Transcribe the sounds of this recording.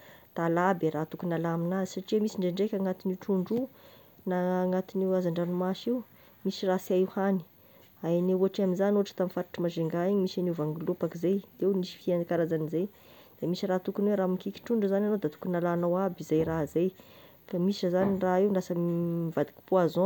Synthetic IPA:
d̪̥alabeɾat̪ukunalaaminazi̥saʈ͡ʂiamisiɳɖ͡ʐeɳɖ͡ʐekʲaŋat̪iniʈ͡ʂuɳɖ͡ʐu | naːŋat̪iniazaɳɖ͡ʐanumaʃiw | misirasiauhani̥ | aaneuaʈ͡ʂaminzanuʈ͡ʂə̥t̪aminfaɾḁʈ͡ʂamaʒeŋɡaiɲimisanevaŋɡulupakizejewnisi̥fiankaɾazanizej | d̪̥emisirat̪ukunweɾamikiki̥ʈ͡ʂuɳɖ͡ʐuzananowd̪at̪u̥kunalanawabizajɾazej | kamisiazaniraiwɳɖ͡ʐasəmivad̪i̥ki̥puazõ

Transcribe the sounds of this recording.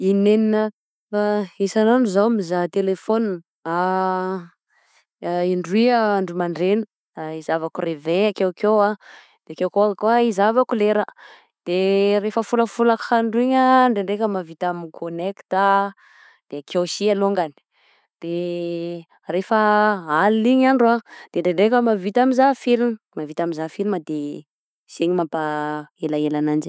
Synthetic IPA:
ineninə | faesananuzawmizat̪elefon | a | iɳɖ͡ʐuwiaaɳɖ͡ʐumaɳɖ͡ʐenə | aizavakureveakewkewa | d̪̥eakewkoakuaizavakuleɾə | d̪̥erefəfuləfulakaɳɖ͡ʐuiɲəɳɖ͡ʐeɳɖ͡ʐekəmavit̪aminkʰonekt̪a | d̪̥eakʰewsialoŋɡani̥ | d̪̥e | refəaliɲaɳɖ͡ʐuad̪̥eɳɖ͡ʐeɳɖ͡ʐekəmavit̪aminzafilun | mavit̪amizafilnad̪e | seɲimampaelaelanand͡ʒi

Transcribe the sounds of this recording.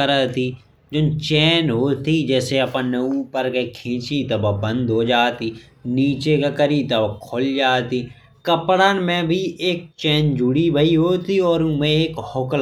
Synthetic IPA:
əɾət̪i | d͡ʒont͡ʃɛːnɦoːt̪id͡ʒɛːseɐpənːeuːpəɾkekʰẽːt͡ʃit̪ɐbabə̃nd̪ɦoːd͡ʒaːt̪iː | niːt͡ʃekakəɾit̪ɐbakʰold͡ʒaːt̪iː | kəpɽaːnmẽbʱiʔeːk̚t͡ʃɛːnd͡ʒʊɽibəiɦoːt̪iɔːɾmẽeːkhoːkəl

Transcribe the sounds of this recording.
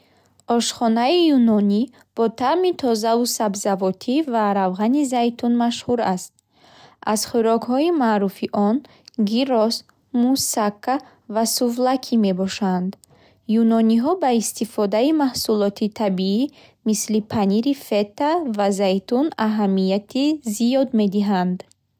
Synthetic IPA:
ɔʃχɔnaijunɔni | b̥ɔt̪ʰamit̪ʰɔzavusabzavɔt̪ʰivaɾavʁanizajt̪ʰunmaʃhuɾast̪̚ | ʔaz̥χuɾɔkhɔimaʔɾufiʔɔn | ɡiɾɔs | musakʰːa | vasuvlakʰime̞bɔʃand̪ | junɔniɦɔbaist̪ifɔd̪aimahsulɔt̪ʰit̪ʰabii | mislipʰaniɾifet̪ːavazajt̪unaɦamːijat̪ʰizijɔd̪me̞d̪iɦand̪

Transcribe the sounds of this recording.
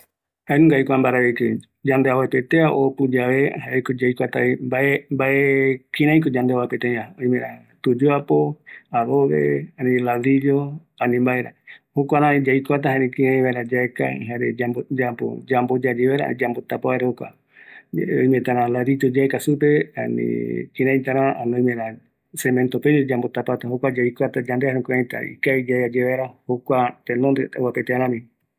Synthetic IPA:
haenũŋɡajkʷambaɾaβekɨ | d͡ʒand̪eaβapet̪eaʔopud͡ʒaehaekod͡ʒajkʷat̪aimbaembaʔekĩɾãj̃k̬od͡ʒand̪eaβapet̪eɲãoĩmẽɾa | t̪ud͡ʒuapoaβoβḛanĩlaðid͡ʒo | ãnĩmbaeɾa̰hokʷaɾãed͡ʒajkʷat̪aɦaɾĩkiɾãj̃βaeɾad͡ʒaeka̰ɦaɾed͡ʒabod͡ʒapo̰d͡ʒambod͡ʒad͡ʒeβeɾa̰d͡ʒambot̪apoeɾehokʷa̰ | õjmẽt̪aɾãlaɾid͡ʒod͡ʒaekasup̬ea̰nḭ̃kiɾãj̃t̪aɾãanõj̃meɾã | semẽnt̪oped͡ʒod͡ʒambot̪apat̪aɦokʷad͡ʒaikʷat̪ad͡ʒand̪eaɦõkʷẽjt̪a̰ḭkaid͡ʒaead͡ʒeβaeɾahokʷat̪enõnd̪eowapet̪eaɾãmĩ

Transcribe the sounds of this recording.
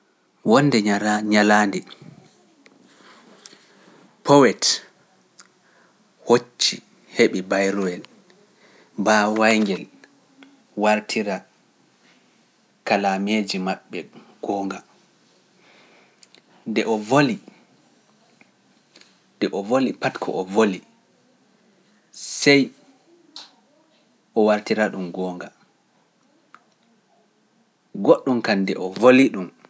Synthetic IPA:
wɔnːdɛɲalaːndɛ | pʰɔwɛt | hot͡ʃːi | heɓibajɾɔwɛl | bawajŋɡɛl | waɾtʰiɾa | kalameːd͡ʒimaɓːɛɡ̥ɔːŋɡa | ndɛʔɔvoli | dɛʔɔvolipatkʰɔ̰ʔɔvoli | sɛj | ʔɔwaɾtiɾaɗumɡɔːŋɡa | ɡoɗːumkandɛʔɔvoliɗum

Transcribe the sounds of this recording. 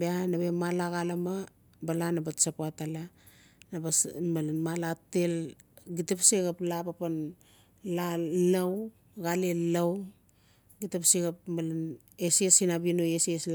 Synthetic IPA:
beanabemalaɣalama | balanabasapoatalanabasmalanmalatelɡitapsiɡaplapapan | lalaw | ɡalelaw | ɡitapsiɡapmalan | esiesinabinoesiesl

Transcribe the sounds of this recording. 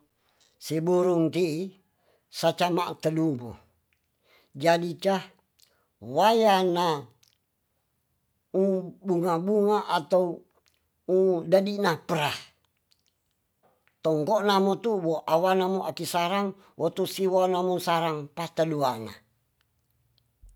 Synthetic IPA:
sibuɾuŋt̪i | sat͡ʃama̰ʔt̪ədubo̰ | d͡ʒadit͡ʃa | wajana | ubuŋabuŋaʔat̪au | udadinapəɾah | t̪ɔŋkɔʔnamot̪uwɔʔawanamoʔakisaɾaŋ | wʔɔt̪usiwanamusaɾaŋpast̪əduana̰

